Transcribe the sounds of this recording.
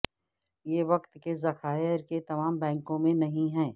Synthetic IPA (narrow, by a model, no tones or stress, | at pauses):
jeːʋɐqt̪kezɐxaːjəɾket̪ɐmaːmbɛ̃ːŋkõmẽnɐɦĩɦɛ̃ː